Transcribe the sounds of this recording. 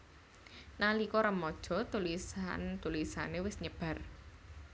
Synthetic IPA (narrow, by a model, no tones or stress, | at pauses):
nalikɔɾəmɔd̥ʒ̥ɔ̤t̪ulisant̪ulisa̰newɪsɲəb̥a̤r